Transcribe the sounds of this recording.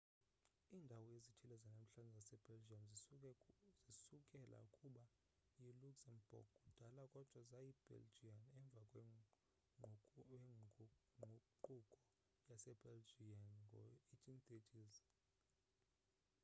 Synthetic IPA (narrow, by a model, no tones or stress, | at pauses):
iːndʱawɔjezitʰilɛzanam̩ɬand͡zʱasɛb̥eld͡ʒiam | zisukʼɛlʔa̰ukʼuɓa | iluksanb̥ɔ̰k̚kʼud̥ʱalakʼɔd̥ʱwazajib̥ḛld͡ʒianɛɱb̪vakʼ | o | ǃukʼɔ | jasɛb̥eld͡ʒianɡʱɔitʼintʼetʼiːzi